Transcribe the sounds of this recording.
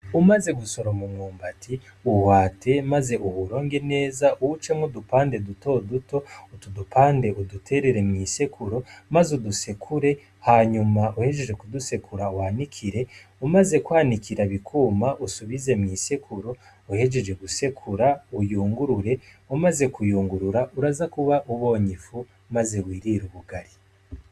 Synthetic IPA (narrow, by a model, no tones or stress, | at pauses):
umaze̞ɡuso̞ɾomumŋuːmbatiuhwaːtʰe̞maze̞ʔuhuɾo̞ːŋɡe̞ne̞ːzaʔuwut͡ʃemodupaːnde̞duto̞duto̞utudupʰaːnde̞ʔudutʰe̞ɾe̞ɾe̞mɲiːsekuɾomazudusekʰuɾe̞ | haɲumaʔuhe̞ʒe̞ʒe̞kuduse̞kʰuɾawanikʰiɾe̞umaze̞kwaːnikiɾaβikʰuːmaʔusuβize̞mɲiːsekʰuɾo̞ | uhe̞ʒe̞ʒe̞ɡuse̞kʰuɾaujuːŋɡuɾuɾe̞ | umaze̞kujuːŋɡuɾuɾauɾazakuβaʔuβo̞ːɲifu | maze̞wiːɾiɾuβuɡaɾi